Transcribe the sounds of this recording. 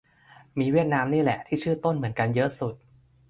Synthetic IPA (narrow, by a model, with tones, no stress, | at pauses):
miː˧wi˥˩ət̪̚naː˦˥mniː˥˩lɛ̰˨˩ʔt̪ʰiː˥˩t͡ɕʰɯː˥˩t̪o˥˩nmɯ˩˦ənka˧njɤ˦˥ʔsu˨˩t̪̚